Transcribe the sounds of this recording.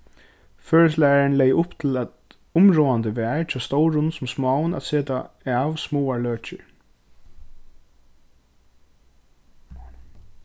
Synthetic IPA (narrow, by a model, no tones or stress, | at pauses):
føːɹəs̬læaɹɪnlɛjʔʊpt̪ʰɪlæt̪ | ʊmɹoːand̪əʋæːɹt͡ɕʰɔst̪ɔwɾʊnsʊmsmɑːwnæ̰t̪seːt̪a̰ | æːʋsmoːaɹløːt͡ʃɪ̰ɹ